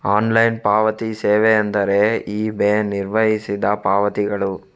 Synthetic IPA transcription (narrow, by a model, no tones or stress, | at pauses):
aːnlɐjnpaːʋɐt̪iseːʋeɐnd̪ɐɾe̞iːbeːniɾʋɐɦisid̪ɐpaːʋɐt̪iɡɐɭu